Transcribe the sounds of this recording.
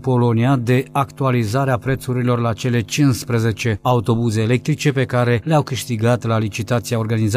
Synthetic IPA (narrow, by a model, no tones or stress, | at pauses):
po̞lo̞niad̪e̞akt̪ualizaɾeapɾe̞t̪suɾilo̞rlat͡ʃe̞le̞t͡ʃinspɾeze̞t͡ʃe̞aut̪o̞buze̞ːle̞k̚t̪ɾit͡ʃe̞pe̞kaɾe̞leawkɨʃt̪iɡat̪lalit͡ʃit̪at̪siaorɡaniza